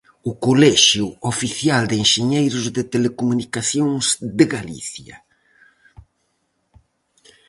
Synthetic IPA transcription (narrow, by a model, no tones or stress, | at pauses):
ʊkolɛʃjuofiθjald̪eŋʃeɲejɾʊzðɪt̪elekumunikaθjõŋzd̪ɪɣalḭθjɐ̰